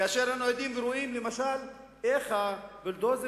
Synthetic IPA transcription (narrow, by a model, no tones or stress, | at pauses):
kaaʃeɾanujod̪imveɾoimlemaʃal | eχabild̪oze